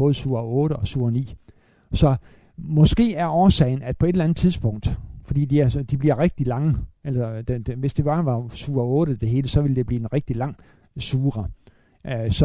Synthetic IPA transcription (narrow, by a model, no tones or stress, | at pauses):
ɔ̽ːð̩ˠsuːɐɔ̽ːɾəɒ̽suːɐɐnḭː | sɒ̽ | mɒ̽sɡ̥e̝̰ːæɐɒːsɛ̰ɪn̩æd̥pʰɒ̽e̝delænð̩ˠt͡sʰið̞ˠsb̥ɔ̽ŋ̰d̥fɒ̽d̥ḭːd̥iæɐd̥ib̥liɐʁeɡ̥̚d̥ilɑ̈ŋəʔælsɐd̥e̥ʋe̝sd̥eb̥ɑ̈ʋɑ̈suːɐɔ̽ːɾ̥əd̥e̝ɦe̝ːləsɒ̽ʋild̥e̝b̥liːenʁeɡ̥̚d̥ilɑ̈ŋ̰ | suːʁɐ | sɒ̽